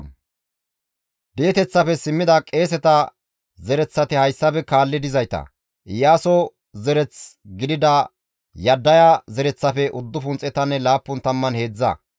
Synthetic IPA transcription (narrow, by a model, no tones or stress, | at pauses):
b̪e̞ːt̪ɛt͡sːɐfɛsɪmːɪd̪ɐkʼe̞ːs̬ɛt̪ɐ | zɛɾɛt͡sːɐt̪ɪhɐjsːɐbɛkaːlːɪd̪ɪzɐjt̪ɐ̰ | ʔɪjaːsɔ | zɛɾɛt͡sɡɪd̪ɪd̪ɐ | jɐd̪ːɐjazɛɾɛt͡sːɐfɛʔʊd̪ːʊfʊnt͡sʼɛt̪ɐnːɛlaːpːʊnt̪ɐmːɐnhe̞ːd͡zːɐ̰